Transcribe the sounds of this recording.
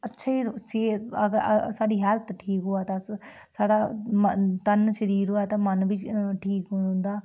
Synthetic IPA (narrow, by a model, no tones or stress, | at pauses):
ətːʃʰaːiːt͡ʃeəɡəɾəsaːɖiːɦɛːlt̪ʈʰiːkɦoːaːt̪ãːs | saːɽaːmət̪ənʃəɾiːɾɦoːaːt̪ãːmənʋiːt͡ʃʈʰiːkːnd̪aː